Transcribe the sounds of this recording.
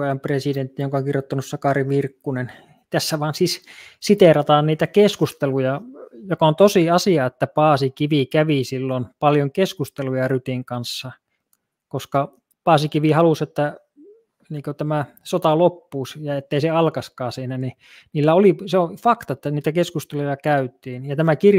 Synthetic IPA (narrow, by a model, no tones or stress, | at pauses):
ejɑmpresident̪ːijoŋkɑoŋkirjot̪ːɑnussɑkɑriʋirkːunen | t̪æsːæʋɑːnsiːssit̪erɑt̪ɑːnniːt̪ækeskust̪elujɑjokɑont̪osiɑsiɑet̪ːæpɑːsikiʋikæʋisilːonpɑljoŋkeskust̪elujɑryt̪iŋkɑnsːɑ | koskɑ | pɑːsikiʋihɑluset̪ːæ | niːŋkot̪æmæ | sot̪ɑlopːuːsjɑet̪ːeiseɑlkɑskɑːsiːnæni | niːlːæoliseofɑkt̪ɑĕt̪ːæniːt̪ækeskust̪elujɑkæyt̪ˑiːnjɑt̪æmækir